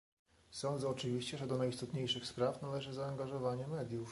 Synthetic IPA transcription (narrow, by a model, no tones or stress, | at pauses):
sɔnd̪zɛɔt͡ʂɘvʲiɕt͡ɕɛʐɛd̪ɔnajst̪ɔt̪ɲejʂɘxspɾafnalɛʐɘzaːŋɡaʐɔvaɲɛmɛd̪ʲjuf